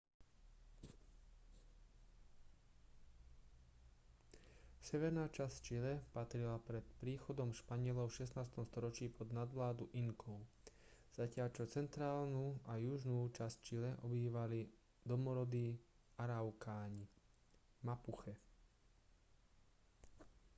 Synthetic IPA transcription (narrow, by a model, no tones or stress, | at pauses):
sɛʋɛɾnaːt͡ʃasct͡ʃilɛpat̪ɾilapɾɛt̪pɾiːxɔd̪ɔmʃpaɲɪɛlɔʊʃɛsnaːst̪ɔmst̪ɔɾɔt͡ʃiːpɔd̪nad̪ʋlaːd̪uʔiŋkʰɔʊ | z̥acɪalt͡ʃɔt͡sɛnt̪ɾaːlnuajuʒnuːt͡ʃast͡ʃilɛʔɔbiːʋali | d̪ɔmɔɾɔd̪i | aɾaʊkaːɲi | mapuxɛ